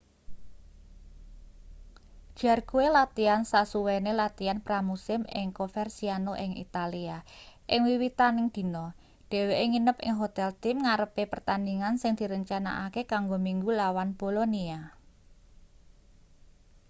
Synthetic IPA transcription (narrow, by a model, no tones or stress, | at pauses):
d̥ʒ̥a̤rɡ̥uelat̪iansasuwenelat̪ianpɾamusɪmɪ̰ŋkofɛrsianoʔɪŋḭt̪aliaʔɪŋwiwit̪anɪŋd̪̥i̤nɔ | ɖ̥e̤weʔeŋinəpɪ̰ŋɦot̪ɛlt̪ɪmŋaɾəpepərt̪aniŋansɪŋd̪̥i̤ɾəɲt͡ʃana̰ʔakekaŋɡomiŋɡulawanb̥o̤lonia